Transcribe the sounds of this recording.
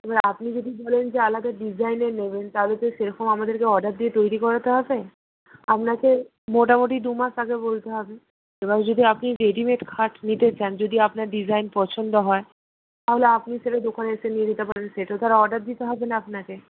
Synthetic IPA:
ebaɾapnid͡ʑod̪ibɔlend͡ʑealad̪aɖid͡ʑʱajneneβent̪aɦolet̪oʃeɾɔkomamad̪eɾkeɔɖaɾ̚d̪iet̪ojɾikɔɾat̪eɦɔbe | apnake | moʈ̬amoʈ̬id̪umaʃaɡebolt̪eɦɔbe | ebaɾd͡ʑod̪iapniɾeɖimeʈkʰaʈnit̪et͡ɕand͡ʑod̪iapnaɾɖid͡ʑajnpɔt͡ɕʰond̪oɦɔe | t̪aɦoleapniʃeʈad̪okʰaneeʃenied̪it̪epaɾenʃeʈaot̪aɾaɔɖaɾ̚d̪it̪eɦɔbenaapnake

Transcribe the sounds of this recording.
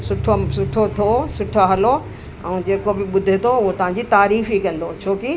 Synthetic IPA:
sʊʈʰosʊʈʰot̪ʰosʊʈʰoɦɐlo | ɛ̃ːd͡ʑeːkobɪɓʊd̪ʱet̪ʰoʊɦot̪ɐʋ̤ãɲ̆d͡ʑit̪aːɾiːfikɐ̃nd̪ot͡ɕʰoːki

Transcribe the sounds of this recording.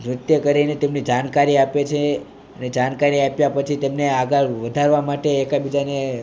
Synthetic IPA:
ʋɾut̪jəkəɾinet̪emnid͡ʒankaɾiapet͡ʃʰe | əned͡ʒankaɾiapjapət͡ʃʰit̪emneaɡəɾʋəd̪ʱaɾʋamaʈeːkabid͡ʒane

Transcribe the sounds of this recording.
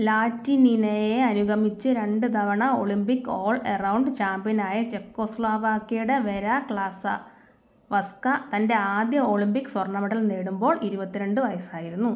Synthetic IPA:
laːtːininejeɐnuɡɐmit͡ɕːɨɾe̞ɳɖɨd̪ʱɐʋɐɳɐoɭimbikːo̞ːɭerɐwɳɖɨt͡ɕaːmbjɐnaːjɐt͡ɕekːo̞ːsɭaːʋaːkːejuɽeʋe̞ɾaːkɭaːsɐ̰ | ʋɐskɐt̪ɐnde̞aːd̪jɐo̞ːɭimbikːɨ̥swɐrɳɐmɐʈːɐlneːɽumbo̞ːɭiɾubɐt̪ːiɾe̞ɳɖɨʋɐjɐsaːjiɾunːu

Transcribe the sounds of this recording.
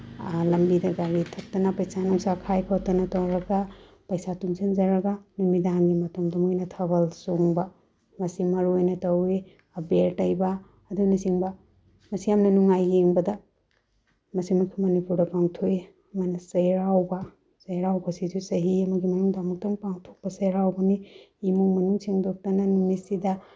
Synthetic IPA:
lɐmbidɐɡaɾitʰɐk̚tɐnɐpɐjsanuŋsakʰajkʰatɐnɐtawɾɐɡa | pɐjsatuŋsʰend͡ʒɐɾɐɡanumidanɡimɐtɔŋdɐmojnɐtʰɐbɐlsoŋba | mɐsimɐɾujnɐtɐwi | ɐbeɾtɐjbaː | dunɐsiŋbɐ | mɐsijamnɐnuŋajːeŋbɐdɐ | mɐsimakʰimɐnipuɾdɐpaŋtʰoi | manɐsɐjɾawbɐ | sɐjɾawbɐsizusɐɦiɐmɐɡimɐnuŋdamɔk̚tɔŋpaŋtʰok̚pɐsajɾawbɐniː | muŋmɐnuŋsiŋdok̚tɐnanuŋmisidɐ

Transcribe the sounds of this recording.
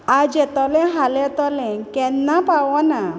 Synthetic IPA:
ad͡ʑɛt̪ɔlɛ̃ɦalɛ̃t̪ɔlɛ̃kɛnːapawɔna

